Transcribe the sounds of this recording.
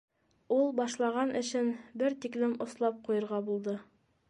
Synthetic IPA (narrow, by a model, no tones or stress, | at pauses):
ulˠbɑʃlˠɑʁɑnʔɘ̆ɕɘnbɘɾt̪iklɘmŏslˠɑp̚qujɤ̆ɾʁɑbulˠd̪ɤ